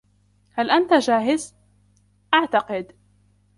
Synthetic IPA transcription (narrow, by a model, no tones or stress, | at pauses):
halʔant̪ad͡ʒaːɦɪz | ʔaʕt̪ɑqɪd̪